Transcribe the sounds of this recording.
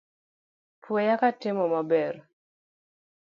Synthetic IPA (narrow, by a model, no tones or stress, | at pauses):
pwejakatɪmɔmabɛr